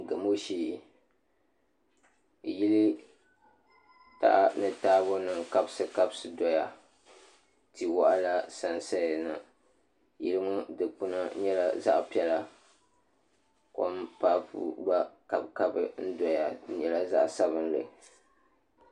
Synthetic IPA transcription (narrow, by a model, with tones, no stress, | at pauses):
ɡɨ˨mo˦ʃiː˦˨ | ji˦li˦ | ta̰˦ʔa˦nɨ˨taː˦bo˦nɨ˨ŋka˦bsɨ˦ka˦bsɨ˨dɔ˦ja˨ | ti˨wa˦ʔa˦la˦sa˦n˦sa˦ja˨na˨ | ji˦lɨ˦mʊ˦dɨ˨pu˦na˦ɲɛ˦la˨za̰˦ʔpi˦ɛ˦la˦ | ko̰˦mpaː˦pṵ˦ba˦ka˨bka˦bɨ˦n̩˦dɔ˨ja˨˦ɲɛ˨la˦za̰˦ʔsa˦βɨ˦n˦lɨ̰˨